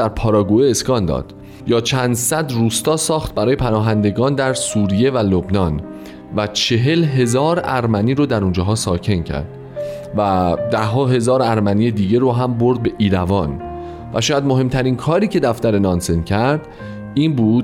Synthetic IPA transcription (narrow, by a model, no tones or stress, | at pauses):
dæɾpʰɒːɾɒɡueeskɒːnd̪ɒ̰ːd̪̥ | jɒːt͡ʃʰænd̪sæd̪ruːst̪ɒːsɒːxt̪̚bæɾɒːje̞pʰænɒːɦænd̪e̞ɡɒːnd̪æɾsuːɾije̞vælobnɒːn | væt͡ʃʰe̞ɦe̞lɦe̞zɒːɾæɾmæniːɾod̪æɾund͡ʒɒːɦɒːsɒːcʰe̞ncʰæ̰ɾd̪̥ | væd̪æhɦɒːɦe̞zɒːɾæɾmænije̞d̪iːɟe̞ɾoɦæmboɾd̪̚be̞ʔiːɾævɒːn | væʃɔːjæd̪mo̞ɦe̞mt̪ʰæɾinkʰɒːɾiːcʰe̞d̪æft̪æɾe̞nɒːnsencʰæɾd̪̥ | iːnbuːd̪